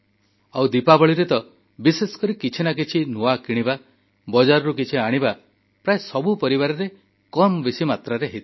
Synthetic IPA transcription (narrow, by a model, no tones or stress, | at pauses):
awd̪ipabɔɭiɾet̪ɔ | bisesɔ̥kɔɾikit͡ʃʰinak̬it͡ʃʰinuakiɽ̃iba | bɔd͡ʒaɾɔɾukit͡ʃʰiaɽ̃iba | pɾaesɔbupɔɾiβaɾɔɾe | kɔmbisimat̪ɾaɾeɦit̪